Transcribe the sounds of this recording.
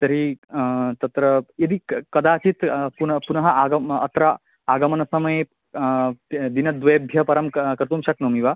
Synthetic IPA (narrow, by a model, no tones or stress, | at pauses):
t̪ɐɾi | t̪ɐt̪ɾɐjɐd̪ikɐd̪aːt͡ʃit̪punɐpunɐɦɐʔaɡɐɐ̰t̪ɾɐ | aːɡɐmɐnɐsɐmɐje | d̪inɐd̪ʋeːbʱjɐpɐɾɐmkɐɾt̪umʃɐknoːmiʋaː